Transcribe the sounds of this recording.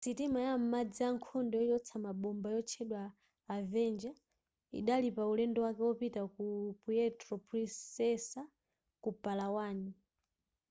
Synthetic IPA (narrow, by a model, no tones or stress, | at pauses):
sitimajam̩mad͡ziaŋkʰɔndɔijɔt͡sʰamaɓɔmbajɔt͡ʃʰɛɗwaː | vɛnd͡ʒa | ḭɗalipaulɛndɔwakɛwɔpitakupujɛtɾɔpulisɛsa | kupalawaːni